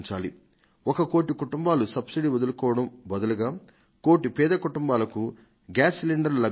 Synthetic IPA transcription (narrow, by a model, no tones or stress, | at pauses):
ɲt͡ʃaːlḭ | ɔkɐko̞ːʈikuʈumbaːlusɐbsiɽiːʋod̪ɐlukɔːʋɐɽɐmbɐd̪ɐluɡaː | ko̞ːʈipɛːd̪ɐkuʈumbaːlɐku | ɡaːsliɳɖɐɾlɐ